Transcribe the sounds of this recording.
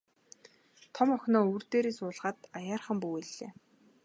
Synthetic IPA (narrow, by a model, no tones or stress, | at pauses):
t̪ʰɔmɔxʲnɔːuːrt̪eːɾeːsʊːɮʁ̥aːt̪ajaːrχə̆mpuweɮḛː